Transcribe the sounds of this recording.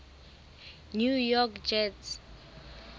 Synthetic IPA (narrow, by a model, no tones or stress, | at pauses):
njujɔkd͡ʒɛts